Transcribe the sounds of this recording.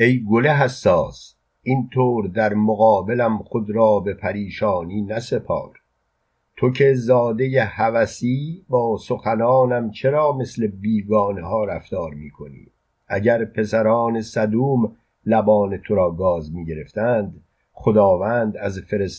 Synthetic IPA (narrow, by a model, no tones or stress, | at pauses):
e̞jɡoleɦæsːɒːs | int̪ʰoːɾd̪æɾmoɣɒːbe̞læmχo̞d̪ɾɒːbe̞pʰæɾiːʃɒːniːnæse̞pʰɒ̰ːɾ | t̪ʰo̞cʰe̞zɒːd̪e̞jehævæsiːbɒːso̞xænɒːnæmt͡ʃʰe̞ɾɒːme̞sle̞biːɡɒːneɦɒːɾæft̪ɒːɾmiːkʰo̞nḭː | ʔæɟæɾpʰe̞sæɾɒːne̞sæd̪uːm | læbɒːne̞t̪ʰo̞ɾɒːɡɒːzmiːɟe̞ɾe̞ft̪ænd̪ | xod̪ɒːvæːnd̪æzfe̞ɾes